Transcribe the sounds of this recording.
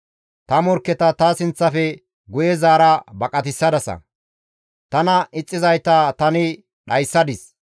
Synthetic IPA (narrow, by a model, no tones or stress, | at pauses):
t̪ɐmɔɾkːɛt̪ɐt̪ɐsɪnt͡sːɐfɛ | ɡʊjɛzaːɾɐbɐkʼɐt̪ɪsːɐd̪ɐsɐ̰ | t̪ɐnɐɪt͡sʼːɪzɐjt̪ɐt̪ɐnɪ | ɗɐjsːɐd̪ɪs